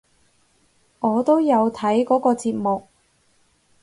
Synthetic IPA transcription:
ŋɔː˨˧t̪o˥wjɐ˨˧wt̪ʰɐ˨˥jkɔː˨˥kɔː˧t͡siː˧t̚mʊ˨k̚

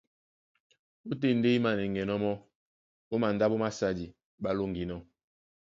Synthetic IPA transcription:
o˦t̬e˦˨n̩˦de˦i˦ma˨ne˨ŋɡɛ˨nɔ˦mɔ˦ | o˦ma˨n˨da˦bo˦ma˦sa˦˨di˨ | ɓa˦lo˦ŋɡi˨nɔ˦

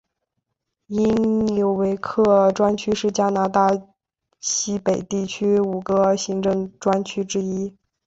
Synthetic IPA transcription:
i˥njo˧˩ʊwe˧˥ɪkʰɤ˥˩ʈ͡ʂwa˥nt͡ɕʰy˥ʂɻ̩˥˩t͡ɕja˥na˧˥t̪a˥˩ | ɕi˥pe˨˩ɪt̪i˥˩t͡ɕʰy˥u˨˩ɡə˧ɕi˧˥ŋʈ͡ʂɤ˥˩ŋʈ͡ʂwa˥nt͡ɕʰy˥ʈ͡ʂɻ̩˥i˥

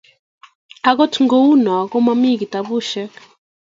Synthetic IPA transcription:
a˦ɣɔ˦tʰŋɡɔ˦u˦na˨a˨kɔ˦ma˦mi˦ɡi˨ta˨βu˦ʃɛ˦

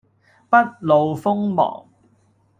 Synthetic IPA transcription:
pɐ˥t̚lo˨wfʊ˥ŋmɔ̰ː˨˩ŋ

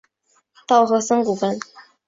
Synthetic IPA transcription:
t̪ɑ˥˩ʊxɤ˧˥sɤ˥ŋku˨˩fə˥n

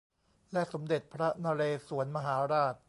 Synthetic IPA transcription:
lɛ˦˥ʔso˩˦mde˨˩t̪̚pʰɾa˦˥naː˧ɾeː˧su˩˦ənma˧ɦaː˩˦ɾaː˥˩t̪̚

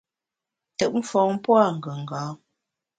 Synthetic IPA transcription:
tə˨ʔm̩˦fɔ˨˦ŋ˦pwa˦˨ŋ̩˨ɡə˨ŋ̩˨ɡɔː˨˦

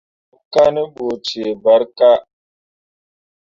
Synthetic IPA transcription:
ka˦nə˦ɓo˨t͡ʃe˨ba˦ɾka˦

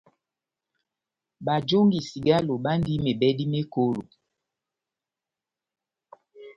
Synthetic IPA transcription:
ba˨d͡ʒo˦ŋɡi˨si˨ɡa˦lo˨ba˦n˦di˦me˨bɛ˦di˦me˦ko˦lo˨

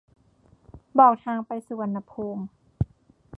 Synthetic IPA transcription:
bɔː˨˩k̚t̪ʰaː˧ŋpa˧jsuː˧wa˧˦nːa˧pʰuː˧ŋ

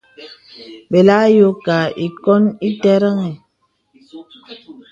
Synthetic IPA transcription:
be˨la˦jo˦ka˨i˨kɔ˦ni˦tɛ˦ɾə˦ŋɛ˨

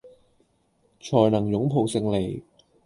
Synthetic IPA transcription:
t͡ʃʰɔː˨˩jnɐ˨˩ŋjʊ˨˥ŋpʰo˨˩wsɪ˧ŋle˨˩j

